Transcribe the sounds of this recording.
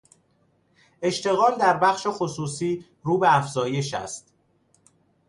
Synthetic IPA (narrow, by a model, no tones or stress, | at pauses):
e̞ʃt̪ʰe̞ɣɒːmd̪æɾbæxʃe̞xo̞suːsiː | ɾuːbeæfz̥ɒːje̞ʃæ̰st̪